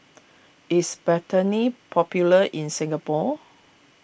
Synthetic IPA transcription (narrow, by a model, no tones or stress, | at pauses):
ɪsbɛtənipʰɔpjuləʔĩnsĩŋɡapɔ